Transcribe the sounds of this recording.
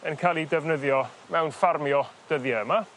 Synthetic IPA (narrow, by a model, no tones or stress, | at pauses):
ənkʰajlˠidɛvnəðjɔ | mɛwnfarmjɔd̥əðjɛəma